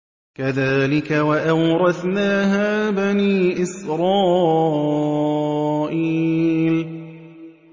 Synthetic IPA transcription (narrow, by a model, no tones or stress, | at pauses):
kaðaːlɪkawaʔawɾˤɑθnaːɦaːbaniːʔɪsɾˤɑː | ʔiːl